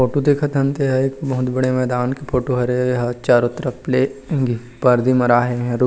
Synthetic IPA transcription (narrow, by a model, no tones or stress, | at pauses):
oːʈod̪eːkʰət̪ɐ̃nt̪eɦɛekbɐɦʊt̪bɐɽemɛːd̪aːnkepʰoːʈoɦɐɾejɦɐt͡ʃaːɾʊt̪ɾəpleːɡi | pɐɾd̪imɐɾaːɦeɦɛ̃ɾ